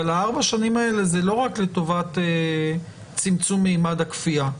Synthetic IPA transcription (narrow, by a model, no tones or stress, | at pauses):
alaaʁbaʃanimae̞le̞zelo̞ʁakle̞to̞vate | t͡simt͡sumːeimadakfia